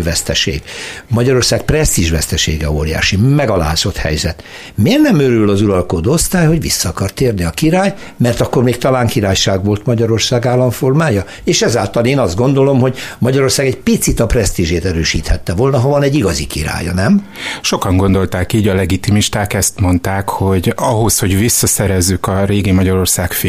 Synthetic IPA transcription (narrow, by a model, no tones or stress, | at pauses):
vɛst̪ɛʃḛːɡmɒɟɒɾo̞rsaːk̚prɛst̪iʒvɛst̪ɛʃḛːɡɛ̰o̰ːɾja̰ːʃimɛɡɒla̰ːzo̞t̪hɛ̰jzɛt̪ | meːrnɛmøɾylːɒzuɾɒlkod̪ost̪aːjho̞ɟʋḭsːɒːkɒrt̪eːrniɒkiɾaːj | mɛrt̪ɒkːormeːk̚t̪ɒlaːŋkiɾaːjʃaːɡʋo̞lt̪mɒɟɒɾo̞rsaːɡaːlːɒɱfo̞rmaːjɒ | eːʃɛzaːlt̪ɒleːnɒzd̪ɡo̞nd̪o̞lo̞mɦoɟmɒɟɒɾo̞rsaːɡɛcpit̪sit̪ɒprɛst̪iʒeːt̪ɛɾøːʃiːt̪hɛt̪ːɛvo̞lnɒɦɒvɒnɛɟːiɡɒzikḭɾa̰ːjɒ̰nɛm | ʃo̞kɒŋɡo̞nd̪o̞lt̪aːkiːɟɒlɛɡit̪imiʃt̪aːkɛst̪mo̞nt̪aːkho̞ɟɒɦo̞sho̞ɟvisːɒsɛɾɛzːykɒɾeːɡimɒɟɒɾo̞rsaːkf